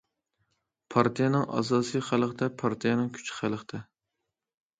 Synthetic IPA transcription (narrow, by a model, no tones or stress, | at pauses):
pʰɑɾt̪ʰijɛnɨŋʔɑ̰s̬ɑːsɨjχælˠqt̪ɛpʰɑɾt̪ʰijɛnɨŋkʲʰy̥t͡ʃχælˠəqt̪ʰɛ